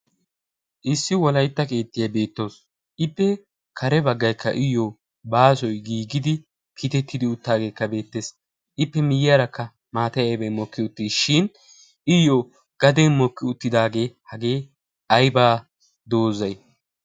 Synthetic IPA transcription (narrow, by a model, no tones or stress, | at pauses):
ʔɪsːɪwɔlɐjt̪ːɐke̞ːt̪ːɪjɐbe̞ːt̪ːo̞ːs | ʔɪpːɛ | kʰɐɾɛbɐɡːɐjkʰːɐ̰ʔɪjːo | baːsɔjɡiːɡɪd̪ɪ | kʰiːt̪ɛt̪ːɪd̪ɪʊt̪ːaːɡe̞ːkːɐbe̞ːt̪ːe̞ːs | ʔɪpːɛmɪjɪjaːɾɐkːɐ | maːt̪ɐjɐjbɛmɔkːɪʊt̪ːiːʃɪn | ɪjoː | ɡ̥ɐd̪ɛnmɔkːɪʊt̪ːɪd̪aːɡe̞ːhɐɡe̞ː | ɐjbaː | d̪o̞ːzɐj